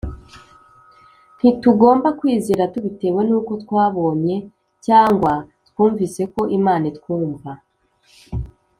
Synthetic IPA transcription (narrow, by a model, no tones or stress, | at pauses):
n̥ituɡo̞ːmbakwiːziːɾatuβite̞we̞nuːko̞tkwaːβo̞ːɲe̞ | caːŋɡwatkwuːɱvise̞ko̞ʔimaːnitkwuːɱva